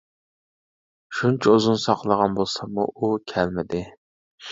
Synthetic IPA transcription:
ʃunt͡ʃʰɛozunsɑqlˠəʁɑnbolˠsɑmṵʔukʲʰælmɪd̪ɪ

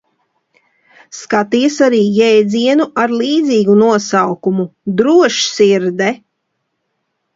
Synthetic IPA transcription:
skat̪isaɾiːjɛjd̪ziɛnuʔaɾlˠiːd̪ziːɡunuɔsawkumud̪ɾuɔʃsiɾd̪ɛ

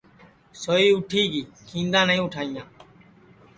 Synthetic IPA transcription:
soːiːʊʈʰiːkiːkʰĩːnd̪ãːnəĩːʊʈʰaːijãː

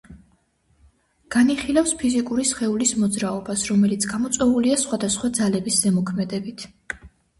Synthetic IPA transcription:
ɡ̥aniχilafspʰizikʼuɾisχɛulismɔd̪zɾaɔbasɾɔmɛlit̪sʰɡamɔt̪sʼwɛvuliasχwad̪asχwad̪zalɛbiszɛmɔkʰmɛd̪ɛbit̪ʰ

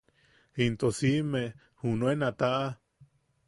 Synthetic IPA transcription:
int̪osime | hunuenat̪aʔa

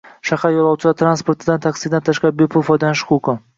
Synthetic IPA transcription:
ʃaχajɒlˠɒwt͡ʃʰɪlat̪ʰɾanspoɾt̪ʰɪd̪ant̪ʰaksid̪ant̪ʰaʃqɑɾɪbepʰʊlˠfɒjd̪anʃχuko

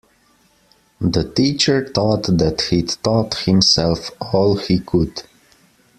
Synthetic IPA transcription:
ðətiːt͡ʃə˞t̪ɔt̪d̪æthitɔthɪ̃msɛlˠfɔlˠhikʰʊd̥

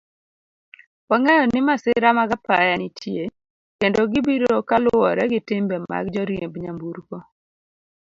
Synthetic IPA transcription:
waŋɛjɔnɪmasɪɾamaɡapajanɪtʰje | kendoɡɪbiɾokalʊɔɾɛɡɪtɪmbɛma̰ɡd͡ʒɔɾjebɲambuɾkɔ

